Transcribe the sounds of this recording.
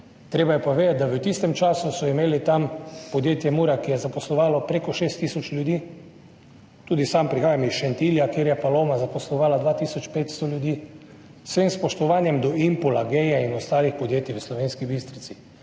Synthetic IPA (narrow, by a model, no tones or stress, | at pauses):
t̪ɾeːbajɛpoʋeːd̪at̪̚d̪aʋət̪ist̪ɛmt͡ʃaːsusɔimeːlit̪ampɔd̪jeːt̪jɛmuːɾakijɛzapɔslɔʋaːlɔpɾekɔʃeːst̪ːisɔt͡ʃlʲjud̪iː | t̪uːd̪isampɾixaːjamisʃɛnt̪iːljakjeːɾjɛpaloːmazapɔslɔʋaːlad̪ʋaːt̪iːsɔt͡ʃpeːt̪st̪ɔlʲjud̪iː | sʋemspɔʃt̪ɔʋaːnjɛmd̪ɔimpulaɡɛjɛinɔst̪aːlixpɔd̪jeːt̪iʋəslɔʋeːnskibist̪ɾit̪si